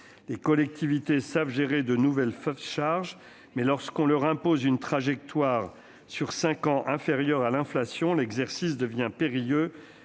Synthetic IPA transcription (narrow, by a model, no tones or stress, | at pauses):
lekɔlɛk̚t̪ʰivit̪esavʒeʁed̪ənuvɛlfʃaʁʒ | mɛlɔʁskɔ̃lœʁɛ̃pozynt̪χaʒɛk̚t̪waʁ | syʁsɛ̃kɑ̃ʔɛ̃feʁjœʁalɛ̃flasjɔ̃lɛɡzɛʁsis̬d̪əvjɛ̃peʁijø